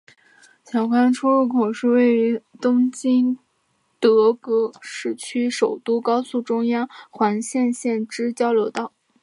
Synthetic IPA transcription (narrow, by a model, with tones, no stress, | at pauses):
ɕjɑ˨˩ʊkʰwa˥nʈ͡ʂʰu˥ɻu˥˩kʰo˨˩ʊʂɻ̩˥˧we˥˩ɪy˧˥t̪ʊ˥ŋt͡ɕi˥n | t̪ɤ˧˥kɤ˧˥ʂɻ̩˥˩t͡ɕʰy˥ʂo˨˩ʊt̪u˥kɑ˥ʊsu˥˩ʈ͡ʂʊ˥ŋjɑ˥ŋxwa˧˥nɕjɛ˥˧nɕjɛ˥˩nʈ͡ʂɻ̩˥t͡ɕjɑ˥ʊljo˧˥ʊt̪ɑ˥˩ʊ